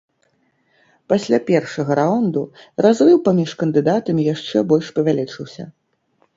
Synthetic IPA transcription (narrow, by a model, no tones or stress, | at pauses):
pasʲlʲapʲɛrʂɐɣɐɾaɔnd̪u | razrɨwpamʲiʂkɐnd̪ɨd̪at̪ɐmʲjaʂt͡ʂɛbɔlʲʂpɐvʲalʲit͡ʂɨwsʲɐ̰